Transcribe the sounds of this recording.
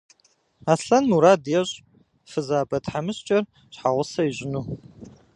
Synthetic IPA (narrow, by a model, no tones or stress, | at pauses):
aːɬɐnmuɾaːdjɛɕʼ | fɨzaːbɐtħamɨɕt͡ʃʼɐr | ɕħaʁʷʊsɐiɕʼɪnuː